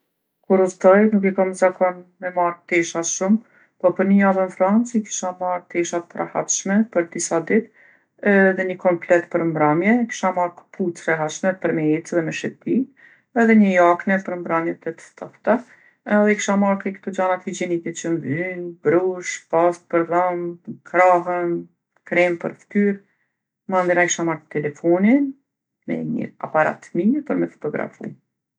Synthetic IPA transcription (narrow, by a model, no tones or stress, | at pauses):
kuɾust̪ɔjnukɛkaməzakɔnmɛmaɾt̪ɛʃaʃum | pɔpəɾnəjavənfɾant͡siki̥ʃamaɾt̪ɛʃat̪̚pɾʔa̰ha̰t̪ʃmɛpəɾd̪isad̪it̪ | ɛðɛɲəkɔmplɛt̪pəɾmbɾamjɛki̥ʃamaɾkəpʰut̪ɾɛɦat̪ʃmɛpəɾmɛɛt̪ɛðɛmɛʃɛp̪i | ɛðɛɲəjaknɛpəɾmbɾamjɛt̪ɛt̪ə̥t̪ʰɔht̪a | ɛðɛki̥ʃamaɾkikt̪ɔd͡ʑanat̪hid͡ʑɛnit̪ɛt͡ʃənvynbɾuʃpast̪̚pəɾðamkɾaɦən | kɾɛmpə̰ɾft̪yɾ | mand̪inakiʃamaɾkət̪ɛlɛfɔnin | mɛ̰ɲə̰a̰paɾa̰t̪miɛpɔɾmɛfɔ̥t̪ɔɡɾa̰fṵ